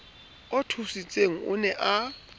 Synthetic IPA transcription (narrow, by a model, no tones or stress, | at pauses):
ɔtʰusit͡sʼeŋ̩ʊ̰nɛʔa